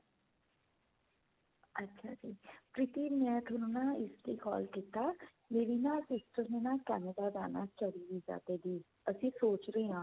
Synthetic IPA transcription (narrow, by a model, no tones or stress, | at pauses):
ətːʃʰa̰ːd͡ʒiːpɾɪt̪iːmɛ̃ːt̪ʰʊnonaːɪsd̪iːkɔ̰ːlkiːt̪aː | neːʋiːnãːsɪsʈɾəneːnãːkɛːnəd̪aːd̪aːna̰ːt͡ʃəɽiːʋiːd͡ʒa̰ːd̪eːd̪iː | əsĩːsoːt͡ʃɾəeãː